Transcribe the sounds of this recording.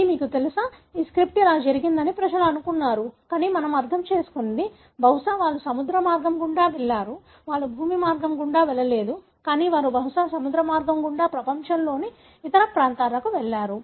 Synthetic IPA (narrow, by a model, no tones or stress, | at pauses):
miːkut̪elusɐiːskɾip̚ʈɛlaːd͡ʒɐɾiɡind̪ɐnipɾɐd͡ʒɐluɐnukunːaːɾukaːniːmɐnɐmɐɾt̪ʰɐmt͡ʃeːsu̥kund̪i | bʱɐwʂaːʋaːɭːusɐmud̪ɾɐmaːɾɡɐmɡuɳɖaːʋɛɭːaːɾu | ʋaːɭːubʱuːmimaːɾɡɐmɡuɳɖaːʋɛɭːɐle̞ːd̪u | kaːniːʋaːɾubʱɐwʂaːsɐmud̪ɾɐmaːɾɡɐmɡuɳɖaːpɾɐpɐɲt͡ʃɐmlo̞ːni | it̪ɐɾɐpɾaːnt̪aːlɐkuʋɛɭːaːɾu